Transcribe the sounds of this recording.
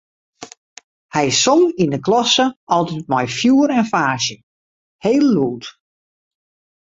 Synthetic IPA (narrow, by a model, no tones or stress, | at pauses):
hɛjɪsɔmindəklɔsəɔlˠtɛt̚mɔjfjuːəɾɛnfaːʃjə | heːlˠːuːt